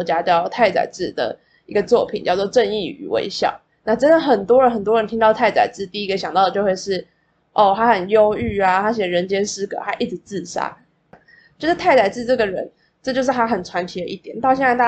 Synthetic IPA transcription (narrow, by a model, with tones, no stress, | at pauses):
t͡ɕja˥t͡ɕɑ˥˧˩t̪ʰa˥˩ɪt͡sa̰˨˩ɪt͡sɹ̩˥˩˨d̪ə̰˩ | i˧˥ɡə˧t͡swɔ˥˩pʰi˨˩nt͡ɕjɑ˥˧ʊt͡swɔ˥˧ʈ͡ʂə˥˧ni˥˩y̰˨˩wḛ˥ɪɕjɑ̰˥˩ʊ | na˥˩ʈ͡ʂə˥nd̪ə˨˩xə˨˩nt̪wɔ˥ɻə˧˥nxə˨˩nt̪wɔ˥ɻə˧˦nt̪ʰi˥ŋt̪ɑ˥˧ʊt̪ʰa˥˩ɪt͡sa̰˨˩ɪt͡sɹ̩˥˩t̪i˥˩i˥ɡə˨ɕjɑ˨˩ŋt̪ɑ˥˩d̪ə˩t͡ɕo˥˧ʊxwe˥˧ɪʂɻ̩˥˩ | ʔo˥˩t̪ʰa˥xə˨˩njo˥ʊy˥˩a˨˩t̪ʰa˥ɕjɛ˨˩ɻə˧˥nt͡ɕjɛ˥nsɹ̩˥kɤ̰˨˩˦xa˧˥ɪʔi˥˩ʈ͡ʂɻ̩˧˩˦t͡sɹ̩˥˩ʂa̰˥ | na˥˩ | t͡ɕo˥˧ʂ̩˥t̪ʰa˥˩ɪt͡sa˨˩ɪt͡sɹ̩˥˧ʈ͡ʂɤ˥˩ɡə˩ɻə˧˦n | ʈ͡ʂɤ˥˧t͡ɕjo˥˧ʊʂ̬ɻ̩˥˩t̪ʰa˥xə˨˩nt͡sʰwa˧˥nt̪ʰi˧˥d̪ə˧ʔi˥˩t̪jɛ˨˩˦nt̪ɑ˥˧ʊɕɛ˥˧nt͡sa˥˧ta˥˧